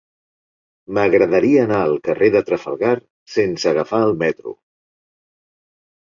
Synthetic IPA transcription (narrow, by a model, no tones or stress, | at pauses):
məɣɾəðəɾiəːnaəlˠkəreðət̪ɾəfə̰lˠɣaɾ | sensəːɣəfaəlˠmɛt̪ɾṵ